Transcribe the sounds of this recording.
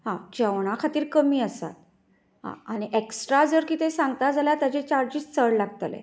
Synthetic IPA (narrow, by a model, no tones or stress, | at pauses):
ɦãt͡ɕeʋɳ̃akʰat̪iːɾkəmiːəsa̰t̪̚ | ɦã̰añiʔeksʈɾad͡zəɾkiːt̪esãŋɡt̪ad͡zaljat̪jat͡ɕet͡ɕaɾd͡ʑiːst͡səɽlaɡt̪lḛ